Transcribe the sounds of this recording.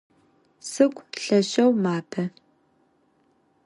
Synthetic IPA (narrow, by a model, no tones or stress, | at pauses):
sɨkʷʼɬɐɕɐwmaːpʰɐ